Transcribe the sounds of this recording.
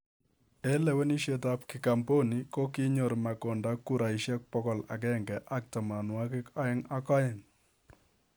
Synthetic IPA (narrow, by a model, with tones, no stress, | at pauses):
ɛ˦lɛ˨˦wɛ˦ni˦ʃe˦ta˦p̚kɪ˨ka˨mpo˦ni˨kɔ˦kɪ˦ɲo˨ɾma˨kɔ˨nda˦ku˦ɾa˨i˨ʃjɛ˦k̚pɔ˦kɔ˨la̰˨k̬ɛ˦ŋɡɛ˨ʔa˦k̚ta˨ma˨nwa˦kɪ˦ka˦ɛ˦ŋa˦kɔ˦jɛ˨ŋ